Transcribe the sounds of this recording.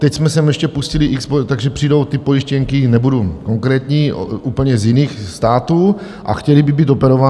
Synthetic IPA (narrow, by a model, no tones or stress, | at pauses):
t̪ɛcsmɛsɛmjɛʃcɛpuscɪlɪʔikspot̪aɡʒɛpr̥iːdo̞wt̪ɪpo̞jiʃcɛŋkɪnɛbuduko̞ŋkɾɛːt̪ɲiːʔuːpl̩ɲɛzjɪniːxst̪aːt̪uː | ʔa̰xcɛlibɪbiːt̪̬opɛɾova